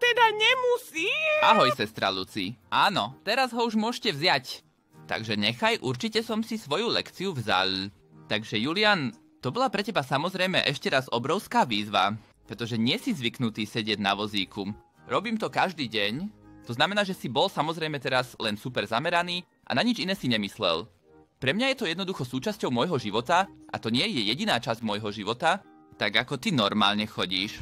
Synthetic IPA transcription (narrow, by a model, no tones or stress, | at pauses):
t̪ɛd̪aɲɛmusiːaɦɔjsɛst̪ɾa̰lṵt͡sḭʔaːnɔt̪ɛɾazɦɔuʒmʊɔʃcɛvzɪac | t̪a̰ɡʒɛɲɛxajʔuɾt͡ʃicɛsɔmsisʋɔjulɛ̰kt͡siuvza̰l | t̪aɡʒɛjuliaːn | t̪ɔbɔlapɾɛcɛbasamɔzɾɛjmɛ̰ʔɛʃcɛɾazɔbɾɔʊskaːʋiːzʋa̰ | pɾɛt̪ɔʒɛɲɪɛsizʋiknut̪iːsɛɟɪɛɟna̰ʋɔziːkum | ɾɔbiːmt̪ɔkaʒd̪iːɟɛɲt̪ɔznamɛnaːʒɛsibɔlsamɔzɾɛjmɛt̪ɛɾazlɛnsupɛɾzamɛɾaniː | ʔa̰naɲid͡ʒinɛːsiɲɛmislɛ̰l | pɾɛmɲajɛt̪ɔjɛd̪nɔd̪uxɔsuːt͡ʃascɔʊmɔjɦɔʒiʋɔt̪aʔa̰t̪ɔɲɪɛjɛjɛɟinaːt͡ʃazɟmɔjɦɔʒiʋɔt̪a | t̪aɡakɔt̪inɔɾma̰ːlɲɛxɔɟiːʃ